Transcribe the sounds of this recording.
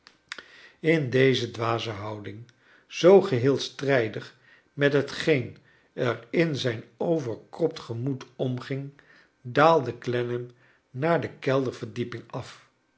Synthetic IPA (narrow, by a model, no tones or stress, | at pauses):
ɪndejzədʋaːzəɦɑwdɪŋ | z̥owχəɦɪːlˠstrɛjdəχ | mɛtɦətχejn | ɛrɪnzɛjnowvəɹkrɔp̚tχəmutɔmχɪŋ | daːlˠdəklɛnəm | naːɹdəkɛlˠdəɹv̥əɹdipɪŋɑf